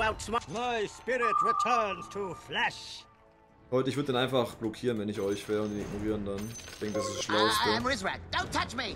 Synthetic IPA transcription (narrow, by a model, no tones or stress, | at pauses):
aʊtsmamaɪspɪɹɪt̚ɹɪtʰɜ˞nz̥tʰəflɛʃ | hɔʏtəɪçvʏɐdədanaɪnfaχb̥lɔkʰiːʁənvɛnɪçɔʏçfɛːʊntɪnɪɡ̚noʁiːʁəndançd̥ɛŋkəd̥asɪsʃlaʊəstə̃mɹɪzɹɛd̥õʊ̃ntʰʌt͡ʃmi